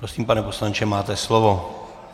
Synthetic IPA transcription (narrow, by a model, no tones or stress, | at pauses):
ɾosiːmpanɛpo̞slaɲt͡ʃɛmaːt̪ɛslovo